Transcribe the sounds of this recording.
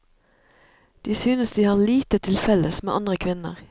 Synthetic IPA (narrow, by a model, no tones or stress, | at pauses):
d̪̥iːsyːnəsd̪iːhɑːʁliːt̪ət̪ʰɪlfɛləsmḛːʔɑnd̪ʁəkʰʋɪnə̰ʁ